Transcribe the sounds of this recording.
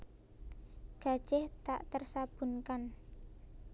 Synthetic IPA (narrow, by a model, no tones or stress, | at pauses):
ɡ̥a̤d̥ʒ̥ɛht̪a̰ʔt̪ərsab̥ṳnkan